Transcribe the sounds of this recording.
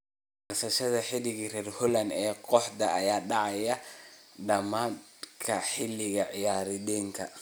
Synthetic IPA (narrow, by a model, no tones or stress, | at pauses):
ɐrsɐʃɐðɐħɪlɪɣrɛːrhʊlɐnɛːqʰɔħd̪ɐːjaːɖɑʕɑjɐɖɐmaːnkʰɐħɪlːɪɣɐʕɪjaːɾɪðɛːŋkʰɐ